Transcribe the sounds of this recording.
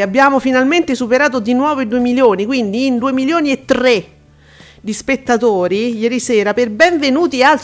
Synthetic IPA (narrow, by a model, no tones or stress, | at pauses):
abːjaːmofinalment̪esupeɾaːt̪od̪inwɔːvoid̪uemiljoːnikwind̪iːnd̪uːemiljoːniet̪ːɾe | d̪ispet̪ːat̪oːɾijɛːɾisɛːɾaperbɛɱvenuːt̪ial